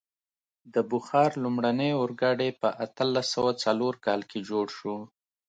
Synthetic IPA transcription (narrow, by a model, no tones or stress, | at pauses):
d̪əbʊxɑɾlumɽanəjʊɾɡɑɽepəʔat̪əlːasəwat͡saloɾkɑlkʰed͡ʒoɽʃu